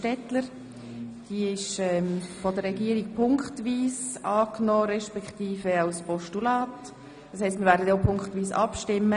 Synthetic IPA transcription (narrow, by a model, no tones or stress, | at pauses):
tɛtləɾ | d̥iːɪʃɛmfɔdəɾɛɡiːɾik̚pʰʊŋktʋiːsɑːknɔːɾɛʃpɛkχtiːfəaʊspɔʃtulɑːt | d̥ɑshɛɪstmɪɾvɛːɾdədoːpʰʊŋktʋiːsɑ̰pʃtɪmːə